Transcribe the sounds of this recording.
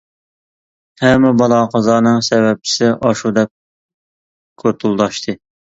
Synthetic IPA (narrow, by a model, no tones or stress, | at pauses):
hɛmːɪbɑlˠɑqʰɑzɑːnɨŋsɛβɛp̚t͡ʃʰɪ̥sɪʔɑʃud̪ɛp̚ | kʲʰøɾt̪ʰulˠd̪ɑʃt̪ʰɨ